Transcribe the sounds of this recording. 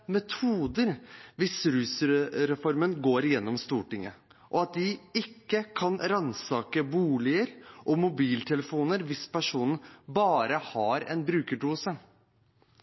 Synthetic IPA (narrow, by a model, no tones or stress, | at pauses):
mɛt̪ʰuːd̪əɾʋɪsɾʉːsɾɛfɔɾmənɡoːɾɪjɛnːɔmst̪uːʈɪŋːə̰ʔɔɑt̪̚d̪ɪɪkːəkʰɑnɾɑnsɑːkəbuːlɪəɾʔɔmʊbiːlt̪ʰɛləfuːnəɾʋɪspæʂuːnbɑːɾəhɑɾɛ̰nbɾʉːkəɖuːsə